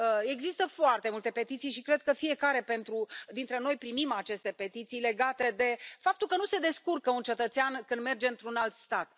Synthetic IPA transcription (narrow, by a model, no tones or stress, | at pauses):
əe̞ɡzist̪əfoart̪e̞mult̪e̞pe̞t̪it̪sijʃikɾe̞d̪̚kəfie̞kaɾe̞pe̞nt̪ɾud̪int̪ɾe̞no̞jpɾimimat͡ʃe̞st̪e̞pe̞t̪it̪sijle̞ɡat̪ed̪e̞fap̚t̪ulkənuse̞d̪e̞skurkəunt͡ʃe̞t̪ət̪seankɨnd̪me̞rd͡ʒe̞ɨnt̪ɾunalt̪st̪at̪